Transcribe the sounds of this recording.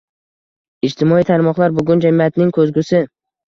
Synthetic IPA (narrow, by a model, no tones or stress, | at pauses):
ɪd͡ʒt̪ʰɪmɒit̪ʰaɾmɒqlˠaɾbʊɡʲʊnd͡ʒamɪat̪nɪŋkʰɵzɡʲʊsɪ